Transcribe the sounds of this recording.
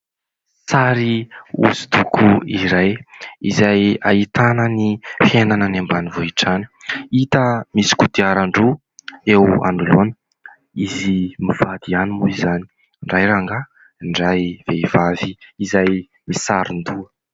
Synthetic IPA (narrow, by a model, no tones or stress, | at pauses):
saɾiṵzud̪ukʰuiɾajizajait̪anənifjenanənambanivoiʈ͡ʂani̥it̪əmisi̥kut̪iaɾaɳɖ͡ʐu | ewa̰ɳɖ͡ʐulonə̥ | izimiv̥ad̪ianimuizani̥ | ɳɖ͡ʐajɾaŋɡa | ɳɖ͡ʐajveivaviːzaj | misaɾund̪uə